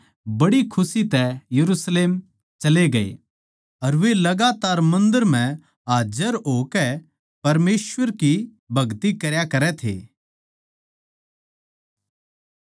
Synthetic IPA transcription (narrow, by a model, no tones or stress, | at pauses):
bɐɽikʰʊsit̪ɛjɐɾuːsleːm | t͡ʃɐleɡɐḛː | ɐɾʋelɐɡaːt̪aːɾmɐ̃nd̪əɾm̤ɛ̃ | ɦaːd͡ʒəɾɦokɛ | pɐɾmeːsʋəɾki | bʱɐɡt̪ikɐɾjakɐɾɛt̪ʰḛː